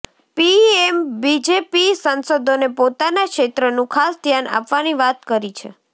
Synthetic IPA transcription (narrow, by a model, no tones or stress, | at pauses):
piembid͡ʒepisənsod̪ʱonepot̪anakʃet̪ɾənũkʰasd̪ʱjana̰pʋaniʋat̪kəɾit͡ʃʰḛ